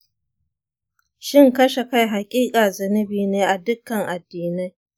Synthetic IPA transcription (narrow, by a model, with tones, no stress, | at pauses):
ʃɪ˦ŋkɐ˦ʃe˨ka˦jɦa˨kʲʼiː˦kʼaː˨zɐ˨nɐ˦biː˨neː˦ʔa˨dʊ˦kːɐ˨ŋʔa˨dːiː˨na˦j